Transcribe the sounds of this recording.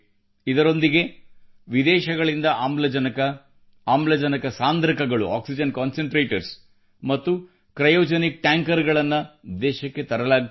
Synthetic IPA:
id̪ɐɾo̞nd̪iɡe̞ | ʋid̪ɛːʃɐɡɐɭind̪ɐʔaːmlɐd͡ʒɐnɐkɐ | aːmlɐd͡ʒɐnɐkɐsaːnd̪ɐɾɐkɐɡɐɭṵʔa̰ːksid͡ʒɐnkaːnseɳʈɾeːʈɐɾs | mɐt̪ːu | kɾɐjoːd͡ʒɐnik̚ʈaːŋkɐɾɡɐɭɐnːɐd̪ɛːʃɐkːe̞t̪ɐɾɐlaːɡ

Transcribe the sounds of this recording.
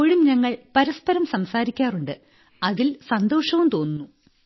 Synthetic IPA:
oːɻiumɲɐŋːɐɭpɐɾɐspɐɾɐmsɐmsaːɾikʲːaːruɳɖɨ | ɐðilsɐnd̪o̞ːʂɐʋumt̪o̞ːnːunːu

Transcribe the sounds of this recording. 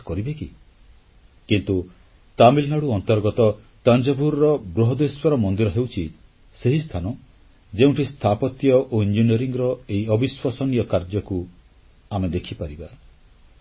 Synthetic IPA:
kɔɾibeki | kint̪u | t̪amilnaɽuɔnt̪ɔɾɡɔt̪ɔ | t̪and͡ʒɔbʱuɾɔɾɔbɾuɦɔd̪eswɔɾɔmɔnd̪iɾɔɦewt͡ʃʰi | seɦist̪ʰanɔ | d͡ʒeũɳʈʰist̪ʰapɔt̪jɔʔoind͡ʒinieɾiŋɔɾɔeiɔbiswasɔnijɔkaɾd͡ʒɔku | amed̪ekʰipaɾiba

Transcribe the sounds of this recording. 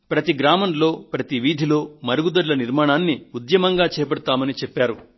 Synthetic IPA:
pɾɐt̪iɡɾaːmɐnlo̞ːpɾɐt̪iʋiːd̪ʱilo̞ːmɐɾuɡud̪ɐɾlɐniɾmaːɳaːnːiud̪jɐmɐŋɡaːt͡ʃɛːpɐɽɐt̪aːmɐnit͡ʃepːaːɾu

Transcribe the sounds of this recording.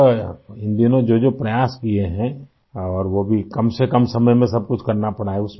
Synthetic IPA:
ɪ̃nd̪iənõd͡ʒod͡ʒopɾɐjaːspieɦɛ̃ | ɔːɾʋobʱikɐmsekɐmsɐməjmẽsɐb̚kʊt͡ʃʰkɐɾnapɐɽaːeʊs

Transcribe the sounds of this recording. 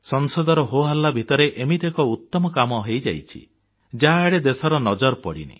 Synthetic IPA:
sɔnsɔd̪ɔɾɔɦoɦalːabʱit̪ɔɾeʔemit̪ekɔut̪ːɔmɔkamɔɦejd͡ʒa̰jt͡ʃʰḭ | d͡ʒaɦaeɽed̪esɔɾɔnɔd͡ʒɔɾpɔɽḭnḭ

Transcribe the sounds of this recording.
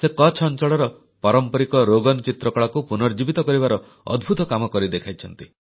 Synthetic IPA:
sekɔt͡ʃʰɔnt͡ʃɔɭɔɾɔ | pɔɾɔmpɔɾikɔɾoɡɔnɔt͡ʃit̪ɾɔkɔɭakupunɔɾd͡ʒibit̪ɔkɔɾibaɾɔ | ɔ̰d̪bʱut̪ɔkamɔkɔɾid̪ekʰajt͡ʃʰɔnt̪i

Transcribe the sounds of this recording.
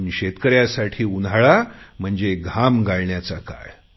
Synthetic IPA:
niɕet̪kəɾjasaʈʰiːunaɭam̤əɳd͡zeɡʱamɡaɭɳjat͡saka̰ɭ

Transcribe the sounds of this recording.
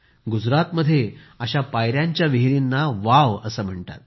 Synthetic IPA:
ɡud͡zɾat̪məd̪ʱːjeəɕapajɾjaɲt͡ɕjaʋiɦiɾinːaʋaʋəsəːm̤əɳt̪a̰t̪̚

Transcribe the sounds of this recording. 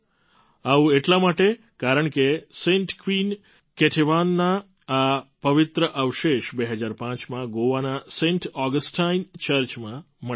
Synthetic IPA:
aũeʈlamaʈe | kaɾəɳkesẽɳʈkʋin | keʈʰeʋanːa | apəʋɪt̪ɾəʔəʋʃeʃbeɦəd͡ʒaɾpãt͡ʃmãɡoʋanasẽɳʈʰɔɡəsʈʰaint͡ʃəɾt͡ʃmã | mə

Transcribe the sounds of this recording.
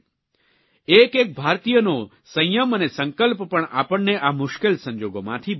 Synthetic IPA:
ekek̚bʱaɾt̪ijəno | sə̃jjəmənesəŋkəlppəɳa̰pəɳːeʔamʊʃkelsə̃ɲd͡ʒoɡomã̰t̪ʰi

